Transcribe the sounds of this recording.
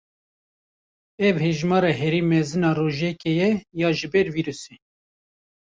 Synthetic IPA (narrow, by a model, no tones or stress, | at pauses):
ɛvheʒmɑːɾɑːɦɛɾiːmɛzɨnɑːroːʒɛkɛjɛjɑːʒɨbɛɾviːɾuse